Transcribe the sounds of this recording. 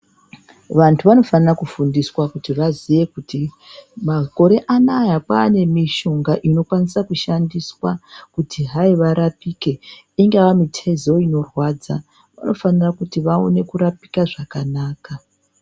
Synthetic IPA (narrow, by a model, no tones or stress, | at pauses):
ʋantʰuʋano̞fanirakufundiswakutiʋaziʋe̞kuti | mako̞ɾe̞ʔanajapaːne̞miʃoŋɡaʔino̞kwanisakuʃandiswakutʰiɦaiʋaɾapike̞ | iŋɡawamitʰe̞zo̞ino̞rwaːd͡za | ʋa̰no̞fanirakutiʋao̰ne̞kuɾapi̥kaʐakanaːka